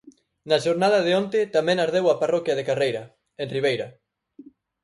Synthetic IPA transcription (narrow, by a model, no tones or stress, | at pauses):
naʃoɾnaðɐðɪont̪ɪt̪amɛ̃ŋaɾðewaparɔkjɐðekarejɾɐ | enriβ̞ejɾɐ